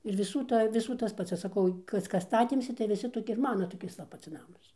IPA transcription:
ɪr ʋʲɪˈsuː ˈtɐ ɪr ʋʲɪˈsuː tɐs ˈpɐts ɐʃ sɐˈkɐʊ ˈkɐs ˈkɐs ˈstɑːtʲeːmʲsʲɪ tɐɪ ʋʲɪˈsʲɪ toːˈkʲɪ ɪr ˈmɑːnɐ toːˈkʲɪs ʋɐ ˈpɐts ˈnɑːmɐs

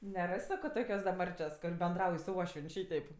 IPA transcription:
nʲɛˈrɐsʲ ˈsɑːkoː ˈtoːkʲoːs dɐ ˈmɐrʲt͡ʃʲoːs kʊr bʲɛnˈdrɐʊj sʊ ˈuɔʃʲʋʲiɛnʲ ˈʃʲiːtʲɛɪp

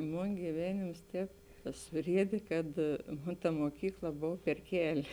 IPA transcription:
ˈmoːn ɡʲiːˈʋʲæːnʲeːms ˈtʲɛːp sʊˈrʲiɛdʲeː kɐt ˈmoːn tɐ moːˈkʲiːklˠɐ ˈboːw pʲɛr ˈkʲæːlʲɪ

